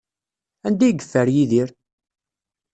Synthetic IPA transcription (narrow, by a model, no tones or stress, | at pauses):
ænd̪æjɡəfːəɾjiðiɾ